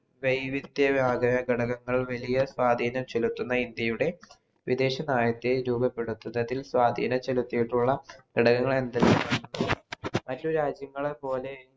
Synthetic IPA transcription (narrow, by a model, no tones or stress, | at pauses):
ʋejʋid̪jɐbjaːɡɐjɐɡeɽɐɣɐŋːɐɭʋɐlijɐswaːd̪ʱiːnɐmt͡ɕelut̪ːunːɐind̪jɐjuɽe̞ | ʋid̪e̞ːɕɐnaːjɐt̪ːeɾuːbɐpːe̞ɽut̪ːunːɐðilswaːd̪ʱḭːnɐmt͡ɕelut̪ːijiʈːuɭːɐɡ̥eɽɐɣɐŋːɐɭe̞nd̪ɐleɐnːunːumɐtːuɾaːd͡ʑjɐŋːɐɭepo̞ːle̞